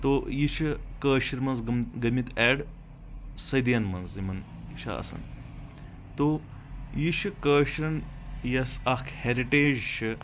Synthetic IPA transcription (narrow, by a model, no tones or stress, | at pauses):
t̪ojit͡ʃʰɐkəːʃiɾmɐnzɡmɡɐmit̪ɛːɽ | sɐjd̪jɐnmɐnzimɐn | ʃʰɐ̰ɐ̰sɐ̰n | t̪o | jiʃʰɨkəːɕɾɐn | jɐsɐkʰheɾiʈeːd͡ʒʃʰɨ